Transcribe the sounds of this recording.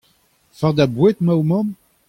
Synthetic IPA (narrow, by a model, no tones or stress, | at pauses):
faʁd̪abwɛt̪mawmɔ̃m